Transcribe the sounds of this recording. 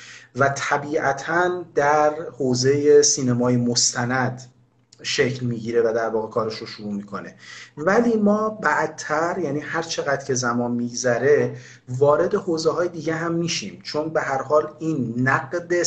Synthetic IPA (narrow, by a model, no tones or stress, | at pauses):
væt̪ʰæbiːʔæt̪ʰænd̪æɾhoːze̞jesiːnemɒːjemost̪ʰænæd̪̥ | ʃecʰlmiːɟiːɾevæd̪æɾvɒːɣe̞kʰɒːɾeʃɾoʃuɾuːmiːkʰo̞ne̞væliːmɒːbæʔd̪̚t̪ʰːæɾjæːniːhæɾt͡ʃʰe̞ɣæd̪̥cʰe̞zæmɒːnmiːɡzæɾe̞ | vɒːɾe̞d̪e̞hoːzeɦɒːjed̪iːɟeɦæmːiːʃiːmt͡ʃʰonbeɦæɾhɒːliːnːæɡd̪e